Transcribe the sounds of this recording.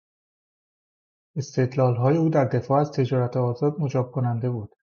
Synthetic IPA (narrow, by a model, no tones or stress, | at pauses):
e̞st̪ʰe̞d̪lɒːlɦɒːje̞uːd̪æɾd̪e̞fɒːæzt̪ʰe̞d͡ʒɒːɾæt̪ʰeɒːzɒːd̪̚mo̞d͡ʒɒːb̥̚kʰonænd̪e̞buːd̪̥